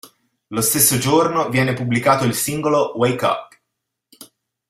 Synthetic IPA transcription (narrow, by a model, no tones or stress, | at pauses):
lost̪esːod͡ʒornovjɛːnepubːlikaːt̪oilsiŋɡolowejka̰pː